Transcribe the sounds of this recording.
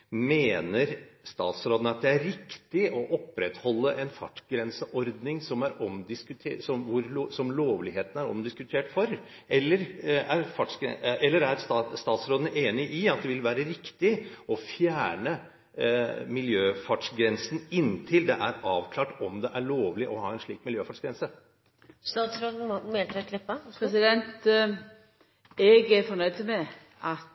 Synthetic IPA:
meːnəɾst̪ɑ̰ːt̪sɾoːd̪ənəɑt̪̚d̪ɛæɾɪkt̪ɪʔɔʔɔpːɾɛt̪hɔlːəʔɛnfɑ̰ʈɡɾɛnsəʔɔɾd̪nɪŋsɔmæɾɔmd̪ɪskʉt̪ʰeːsɔmʋʊɾsɔmloːʋlɪɦeːt̪ən̩æɾɔ̰md̪ɪskʉt̪ʰeːʈfɔɾ | ʔɛlːəɾæɾfɑʈʂɡɛ̰ɛlːəɾæɾst̪ɑːt̪sɾoːd̪ənəʔeːnɪʔɪɑt̪̚d̪ɛʋɪlʋæːɾəɾɪkt̪ɪɔfjæːɳə | mɪljøːfɑʈʂɡɾɛnsn̩ɪnːt̪ʰɪld̪ɛʔæɾɑːʋkʰlɑːʈɔmd̪ɛʔæɭoːʋlɪʔɔhɑːɛnʂɭiːkmɪljøːfɑʈʂɡɾɛnsə | st̪ɑːt̪sɾoːd̪n̩meːlt̪ɛkʰlɪpːɑpʰɾɛs̬ɪd̪ɛnt̪ | ɛɡæfɔnœʏt̪əmɛ | ʔɑt̪

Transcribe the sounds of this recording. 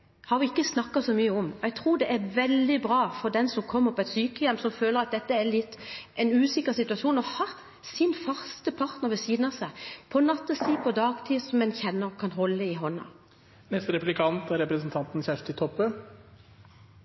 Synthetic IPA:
hɑɾʋɪɪkːəsnɑkːɑsɔmyːəɔmɔɛɡt̪ʰɾuːd̪ɛʔæɾʋɛld̪ɪbɾɑːfɔd̪ɛnsɔmkʰɔmːəpʰɔɛɪt̪syːkəjɛmːsɔmføːləɾɑt̪̚d̪ɛt̪ːəælɪt̪ːʔɛɪnʉːsɪkːəʁsɪt̪ʉɑʂuːnɔhɑ | sɪnfɑʁst̪əpʰɑʁt̪nəʁʋɛsiːd̪nɑsæɪpʰɔnɑt̪ːəsiːpʰɔd̪ɑːɡt̪ʰiːsɔmːɛnçɛnːəʁkʰɑnɦɔlːəɪɦɔnːɑ̰ | nɛst̪ɾɛplɪkʰɑnt̪æɾɛpɾəsnt̪ʰɑnt̪n̩çæʂʈ̪ɪt̪ʰɔpːə

